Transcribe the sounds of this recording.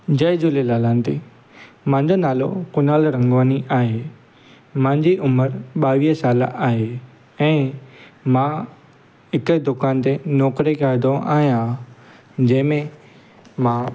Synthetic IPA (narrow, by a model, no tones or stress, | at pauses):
d͡ʑɐɪd͡ʑʊlelaːlãːnt̪i | mãɲd͡ʑonaːlo̰kʊnaːlɾɐ̃ŋɡʋaːniʔaːɦeː | mãɪ̃ɲd͡ʑiʔʊməɾɓaːʋiːɦəsaːla̰ʔaːɦeː | ɛ̃ː | mã | ɦɪkəd̪ʊkaːnt̪enɔːkɾekaːɪd̪õʔa̰ːɦijã | d͡ʑɐ̃ːɦɪ̃mẽ | mã